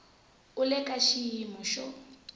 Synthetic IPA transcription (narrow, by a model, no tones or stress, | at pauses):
ʊlɛkʼaʃijimuʃɔ